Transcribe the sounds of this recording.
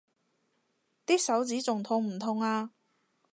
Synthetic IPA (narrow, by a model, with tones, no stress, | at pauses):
t̪iː˥k̚sɐ˨˥wt͡siː˨˥t͡sʊ˨ŋt̪ʰʊ˧ŋm̩˨˩t̪ʰʊ˧ŋaː˧